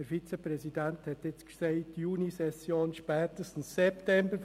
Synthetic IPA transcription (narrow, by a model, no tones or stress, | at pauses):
əɾfit͡səpɾɛsidænthɛt̪ɪt͡sksɛɪjuːnisɛsjoːnʃpɛːt̪əstn̩sːɛptɛmbəɾ